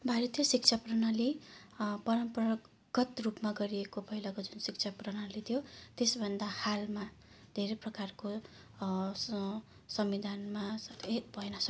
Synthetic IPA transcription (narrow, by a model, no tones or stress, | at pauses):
bʱaɾit̪ʰjʌsik̚t͡sʰaprʌnali | pʌɾʌmprʌ | ɡ̥ʌt̪rupmaɡʌɾiekopʌɦilʌkod͡zunsik̚t͡sʰaprʌnalit̪ʰjot̪esbʱʌnd̪ahalma | d̪ʱeɾeprʌkarko | sʌmid̪ʱanmaet̪bʱʌenʌsʌ